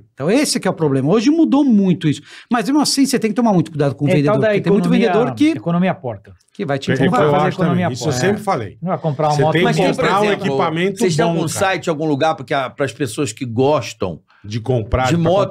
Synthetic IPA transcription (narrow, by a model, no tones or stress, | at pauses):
ẽt̪ɐ̃w̃esɪɛkɪɛʊpɾoblẽmɐoʒɪmud̪omũj̃t̪ʊisʊ̥mɐzmemɐ̃asĩset̪ẽkɪt̪omaɾmũj̃t̪ʊkuid̪ad̪ʊkõvẽnd̪ẽdod̪ait̪mũt̪vẽd̪ed̪oɾkɪekonõmiɐpɔɾt̪ɐ | kɪvajt͡ʃɪĩaafazaeɾeekonomiɐisewsẽmpɾɪfalḛj̃vakõmpɾaɾ̃seɔẽmɐsõpɾeazũekipamẽnt̪et̪ẽawɡũsajt͡ʃɪd͡ʒ̃awɡũluɡaɾpʊɾkeapɾɐspesoɐskɪɡɔʃt̪ɐ̰̃w̃ | d͡ʒɪkõpɾad͡ʒɪmɔt̪